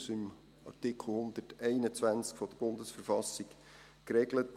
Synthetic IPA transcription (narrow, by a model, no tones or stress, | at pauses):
sɪm | ɑ̰rtɪkʰl̩hʊnd̪ətɛɪnət͡sʋænt͡skfɔd̥əb̥ʊnd̪əsfəɾfɑsik | kɾɛɡlət